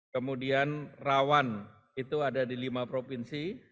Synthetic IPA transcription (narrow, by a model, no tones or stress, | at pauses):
kəmudianrawan | it̪uadadilimapɾopinsi